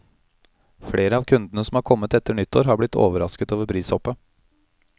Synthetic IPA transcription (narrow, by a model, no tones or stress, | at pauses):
fɽeːɾəɑːʋkʰʉnd̪nəsɔmɑːɾkʰɔmːət̪ɛt̪ːəɳʏt̪ʰːo̰ːɾhɑːɾblɪt̪ʰːo̰ːʋəɾɑskət̪oːʋəɾpʰɾiːsɔpːə